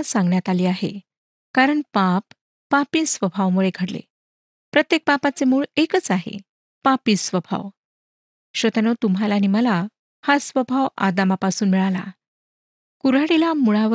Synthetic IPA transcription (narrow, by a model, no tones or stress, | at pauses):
sãŋɡɳjat̪aliːaɦḛ | kaɾəɳpapː | apiːsʋəbʱaʋmuɭeɡʱəɽlḛ | pɾət̪jek̚papat͡semuːɭekət͡saɦḛ | papiːsʋəbʱa̰ʋ | ɕʋət̪anot̪umɦalaniməla | hasʋəbʱaʋa̰d̪amapasuːnmiɭala̰ | kuɾaɽilamuɭaʋə